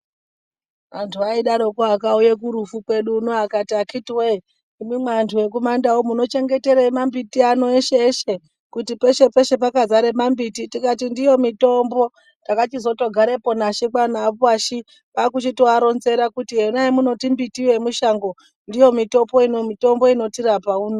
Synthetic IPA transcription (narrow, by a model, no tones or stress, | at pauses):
ʋantʰuaiɗaɾo̞koakaujek̬uɾufukwe̞ɗuːnoakatiakʰitiwei | imimwantʰuwe̞k̬umandaomuno̞t͡ʃe̞ŋɡe̞te̞ɾemambitiano̞eʃeːʃe̞ | kutipe̞ʃe̞pe̞ʃe̞p̬akazaɾemambititikatindijo̞mito̞mbo̞ | ndakat͡ʃizo̞to̞ɡʱaɾepo̞naʃikwanapwaʃi | pakut͡ʃitoaɾo̞nze̞ɾakutiɦenajemuno̞timbitiwe̞muʃaŋɡo | ndijo̞mito̞po̞inomito̞mbo̞ino̞tiɾapauno